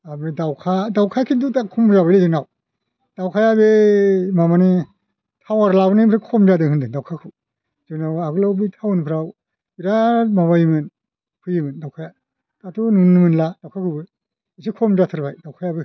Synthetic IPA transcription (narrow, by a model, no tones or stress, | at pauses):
abidawkʰadawkʰakʰindutakʰumɾabajlizɯnaw | d̥awkʰajaβemamani | tʰawaɾlabnibʰɾakʰɔmdadɯŋhɯndɯŋdawkʰakʰɯ | z̥ɯknawaɡɯlawbɯjtʰawnpʰɾaw | biɾamaβajimɯn | pʰɯjimɯndawkʰaja | tatʰununnɯmɯnladawkʰakʰɯbɯ | isikʰɔmzatʰɯɾbajdawkʰajabɯ